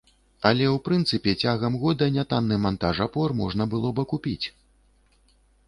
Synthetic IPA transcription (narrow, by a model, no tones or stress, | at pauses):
ɐlʲɛwpɾɨnt̪sɨpʲɛt͡sʲaɣɐmɣɔd̪ɐnʲat̪anːɨmant̪aʐapɔrmɔʐnɐbɨlˠɔbɨkupʲit͡sʲ